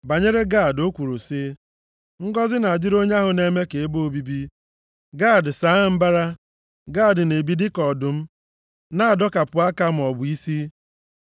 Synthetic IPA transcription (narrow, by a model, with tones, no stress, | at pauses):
ba˨ɲe˦ɾe˦ɡa˦˨do˦kʷu˨ɾu˨sɪ˦ | ŋ̩˦ɡɔ˦zɪ˦na˨a˨d͡ʒɪ˦ɾo˦ɲa˦ɦʊ˨ne˦me˦ke˨e˦bo˨bi˦bi˦ | ɡa˦˨dsa˨˦m̩˦ba˦ɾa˦ | ɡa˦˨dne˨bi˦dɪ˦kɔ˨dʊ˨m̩˦ | na˦a˨dɔ˦ka˨pʊ˨a˦ka˦m̩˨ɔ˨bʊ˨i˦si˦